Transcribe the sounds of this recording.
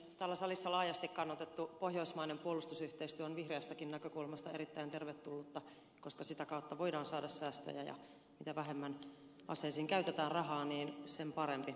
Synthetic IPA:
t̪æːlːæsɑlisːɑlɑːjɑst̪ikkɑnːɑt̪et̪ːupohjoismɑinempuolust̪usyht̪eist̪yæonʋihreæst̪ækinnækøkulmɑst̪ɑeɾit̪ːæint̪erʋet̪ːulːut̪ːɑ | koskɑsit̪ækɑut̪ːɑʋo̞idɑːnsɑːdɑssæːst̪ø̰jæ̰jɑ̰ | mit̪æʋæɦemːæn | ʔɑ̰sˑeisiːŋkæyt̪et̪æːnrɑɦɑːniːnsempɑɾempi

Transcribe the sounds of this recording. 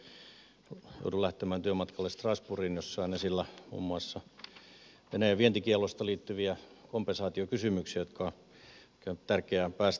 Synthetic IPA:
jo̰utulæht̪emæːnt̪yømɑt̪kɑlːest̪rɑspurinjosːɑinesilːæmṵːmːuɑsːɑ | ʋeneːʋient̪ikielost̪ɑliːt̪ːyʋiækompensɑːt̪iokysymyksiæjot̪kʰɑ | kænt̪t̪ærkeæpæːst

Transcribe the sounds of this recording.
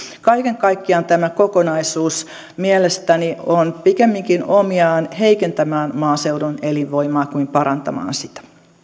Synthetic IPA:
kɑikeŋkɑikːiɑnt̪æmækokonɑisuːs | mielest̪ænionpikemːiŋkinomiɑːnheikent̪æmæːnmɑːseudoneliʋʋoimɑːkuimpɑɾɑnt̪ɑ̰mɑ̰ːnsit̪æ̥

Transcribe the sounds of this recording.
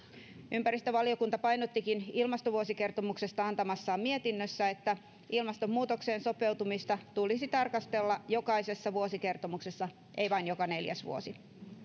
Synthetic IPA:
ympæɾist̪øʋɑlio̞kunt̪ɑpɑjnot̪ːikinilmɑst̪oʋuosike̞rt̪o̞mukse̞st̪ɑɑnt̪ɑmɑsːɑːmmie̞t̪inːøsːæe̞t̪ːæ | ilmɑst̪o̞mːuːt̪o̞kse̞ːnso̞pe̞wt̪umist̪ɑt̪ulisit̪ɑrkɑst̪e̞lːɑjo̞kɑise̞sːɑʋuosike̞rt̪o̞mukse̞sːɑ | ʔe̞iʋɑijnjokɑne̞ljæ̰sʋṵosi

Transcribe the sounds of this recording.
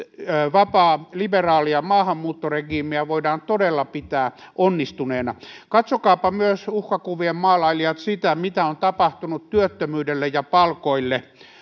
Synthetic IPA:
ʋɑpɑːliberɑːliɑmɑːhɑmːuːt̪ːoreɡiːmiæʋoidɑːnt̪odelːɑpit̪æː | ʔonːist̪uneːnɑkɑt̪sokɑːpɑmyøsuhkɑkuʋiemmɑːlɑiliɑt̪sit̪æmit̪æont̪ɑpɑht̪unut̪tyøt̪ːømyːdelːejɑpɑlkoilːe

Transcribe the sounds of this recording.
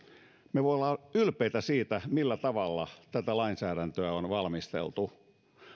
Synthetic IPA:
meʋoolːˑɑːylpeit̪æsiːt̪æmilːæt̪ɑʋɑlːɑt̪æt̪ælɑinsæːɾænt̪øæonʋɑlmist̪ḛlt̪u

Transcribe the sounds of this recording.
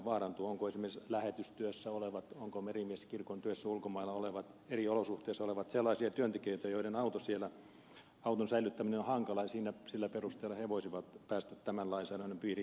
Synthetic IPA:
ʋɑːrɑnt̪uoŋkoesimerislæhet̪yst̪yøsːæoleʋɑt̪oŋkomerimieskirkont̪yøsːæulkomɑilːɑoleʋɑt̪ | eriolosuht̪eːsːɑoleʋɑt̪selˑːɑisiɑt̪yønt̪ekøˑit̪æjoidenɑut̪osielæ | ɑut̪onsæilˑyt̪ːæminenohɑŋkɑlɑjɑsiːnæsilːæperust̪eːlːˑɑheʋosiʋɑt̪pæːst̪æt̪t̪æmænlɑinsɑːnonːempiːri

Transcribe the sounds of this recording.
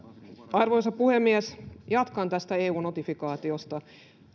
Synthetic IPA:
ɑrʋojsɑppuhemːiæsjɑt̪kɑnt̪æst̪æeːuːnot̪ifikɑːt̪iost̪ɑ

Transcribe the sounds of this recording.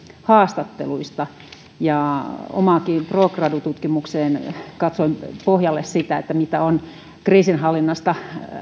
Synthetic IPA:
hɑːst̪ɑt̪ːḛluist̪ɑ | jɑo̰mɑːkiːmproːkrɑːdut̪ut̪kimukseːnkɑt̪soimpohjɑlːessit̪æet̪ːæmit̪æon | kriːsinhɑlːinːɑst̪ɑ

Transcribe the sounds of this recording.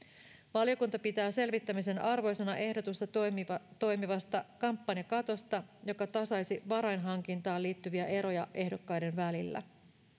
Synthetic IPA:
ʋɑlio̞kunt̪ɑpit̪æːse̞lʋit̪ːæmise̞nɑrʋo̞jse̞nɑʔe̞hdot̪ust̪ɑt̪o̞jmiʋɑst̪ɑkɑmpːɑnjɑkɑt̪o̞st̪ɑjo̞kɑt̪ɑsɑjsiʋɑɾɑjnɦɑŋk̟int̪ɑːliːt̪ːyʋiæʔe̞ɾo̞jɑʔe̞hdo̞kːɑjde̞nʋælilːæ̰

